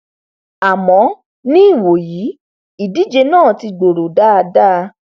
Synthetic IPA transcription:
a˨mɔ̃˨˦ | nĩ˦i˦˨wo˨ji˨˦ | i˨di˨˦d͡ʒe˧nãː˦˨ti˧ɡ͡bo˨ɾo˨da˦a˧da˦˧

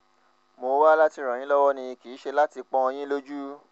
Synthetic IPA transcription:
mo˧˦wa˦la˦ti˧˨ɾ̃ã˨ĩ˨˦lɔ˦wɔ˦nĩ˧i˧kiː˨˦ʃe˧la˦ti˧k͡pɔ̃˧˦ɔ˧j̃ĩ˦lo˦d͡ʒu˦

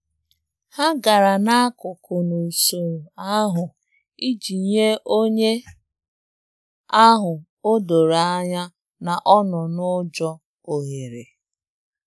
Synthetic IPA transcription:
ha˦ɡa˨ɾa˨na˦a˦kʊ˨kʊ˨no˨i˨so˨a˦ɦʊ˨ | i˦d͡ʒi˨ɲe˦ʔo˦ɲe˦ | a˦ɦʊ˨ | o˦do˨ɾa˨a˦ɲa˦ | na˨ʔɔ˦nʊ˨nʊ˦d͡ʒɔ˦ | o˨ɦe˨ɾe˨

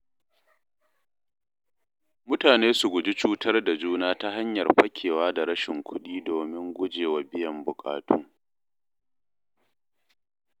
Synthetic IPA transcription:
mʊ˦taː˨neː˦su˨ɡʷʊ˨d͡ʒi˦t͡ʃuː˦tʰɐ˦rda˨d͡ʒuː˦naː˦ta˦ɦa˦ɲjɐ˨rɸɐ˦kʲʰeː˨waː˦da˨ɾɐ˦ʃɪ˨ŋkʷʰʊ˦ɗiː˦doː˨mɪ˦ŋɡʷʊ˦d͡ʒeː˨wa˨bɪ˦jɐ˨mbʊ˨kʼa̰ː˨tʰuː˦

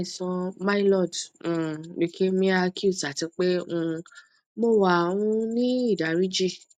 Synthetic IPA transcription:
i˨sɔ̃˧mã˦i˦lɔ˦˨d̩̃˦˨ | i˨˧kʰe˦mĩ˧˦a˧ki˦u˦˨ta˨tĩ˨˧˦k͡pe˦ũ˦˧˨ | mo˦˨wa˦˨wũ˧˦nĩ˦i˦˨da˨ɾi˦d͡ʒi˦˨

